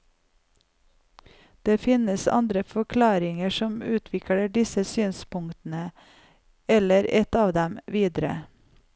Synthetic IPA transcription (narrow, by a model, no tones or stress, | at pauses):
d̪̥eːfɪnəsɑ̰nd̪ɾəfɔkʰlɑːɾɪŋəʃɔmʉːt̪ʰʋɪkɽəɖɪsəsyːnspʊŋt̪n̩ə | ɛləɾɛt̪ɑːʋd̪ɛmʋiːd̪ɾə̰